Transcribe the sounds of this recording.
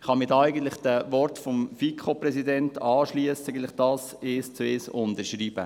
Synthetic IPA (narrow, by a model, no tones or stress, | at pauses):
χɑmɪtːæɪɡən̩t̪lɪχd̥əʋɔɾtfɔmfikʰopɾɛsidɛntɑːʃliəsɪɡəntlɪχd̥ɑːs | eːst͡seːsʊntəɾʃɾiːb̥ə̰